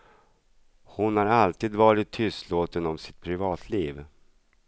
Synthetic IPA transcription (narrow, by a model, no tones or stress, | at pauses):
hʊnhaɾalt̪iːd̪vɑːɾɪt̪ʰːʏst̪loːt̪ənɔmsɪ̥t̪̚pʰɾɪvɑːt̪ʰliːv